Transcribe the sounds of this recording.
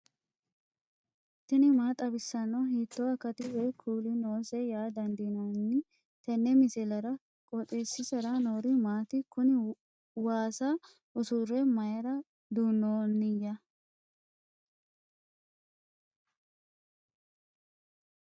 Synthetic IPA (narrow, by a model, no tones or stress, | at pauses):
t̪ːɪnɪmaːt̪ʼɐbɪsːɐnːɐhiːt̪ːoɐkɐt̪ɪwekʰuːlɪnoːsɛjaːd̪ɐnd̪inɐnːɪ | t̪ɐnːɛmɪsɛlɐɾɐ | kʼɔt̪ʼeːsːɪsɐɾɐnoːɾɪmaːt̪ɪkʊnɪ | waːsa | ʔʊsʊrːɛmɐjɐɾɐ | d̪uːnːoːnːɪjːɐ